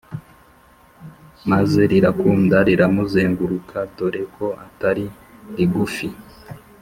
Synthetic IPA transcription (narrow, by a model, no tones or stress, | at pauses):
maze̞ɾiɾakuːndaɾiɾamuzeːŋɡuɾukʰado̞ɾekʰo̞a̰taɾi | ɾiɡufi